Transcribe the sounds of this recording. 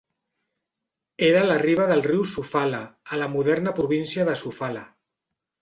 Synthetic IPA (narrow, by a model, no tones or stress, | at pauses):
eɾələriβ̞əðəlˠriwsufalaːləmuðɛɾnəpɾuβinsiəðəsufala̰